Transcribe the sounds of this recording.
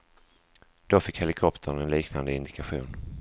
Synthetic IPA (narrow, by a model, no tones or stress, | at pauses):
d̪̥ofɪkhɛlɪkʰɔpt̪ʰəɾnɛnliːknand̪əɪnd̪ɪkʰaɧṵːn